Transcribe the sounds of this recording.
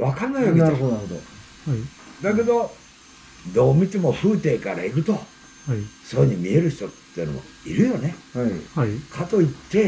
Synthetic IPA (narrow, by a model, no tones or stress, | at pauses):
βakaɾnajoaɾɯɦod̪oaɾod̪o | d̪ak̬e̞d̪o̞ | d̪o̞ːmʲit̪emo̞ɸɯ̟ːt̪e̞ːkaɾaiɾɯ̟t̪o̞ | soɲ̟imʲie̞ɾɯ̟çi̥t̪o̞t̪ːeiɯno̰mo̰ḭɾɯ̟jo̞ne̞ | kʰat̪o̞it̪ːe̞